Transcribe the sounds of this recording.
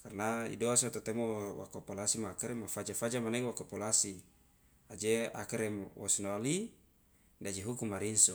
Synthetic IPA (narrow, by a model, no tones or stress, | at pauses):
karnaḭdoasot̪ot̪ɛmowa̰kopolasimaakɛɾemafad͡ʒafad͡ʒamaneŋwakopolasi | ad͡ʒea̰kɛɾemwʔɔ̰sunaali | dad͡ʒeɦukumːaɾinso